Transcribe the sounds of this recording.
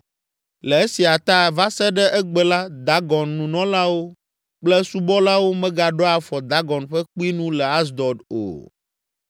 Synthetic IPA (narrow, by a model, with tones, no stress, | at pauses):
lɛ˨e˦si˨a˨t̪a˦˨va˦sɛ˦ɖɛ˦ʔɛ˦ɡ͡bɛ˨la˦d̪a˨˦ɡɔ˨nːũ˨nɔ̃˦la˦wo˦ | k͡plɛ˦su˦bɔ˦la˦wo˦mɛ̃˦ɡa˨ɖɔ˦a˨fɔ˨d̪a˨˦ɡɔ˨nɸɛ˦k͡pi˦nũ˦lɛ˨a˦s̬d̪ɔ˨do̰˨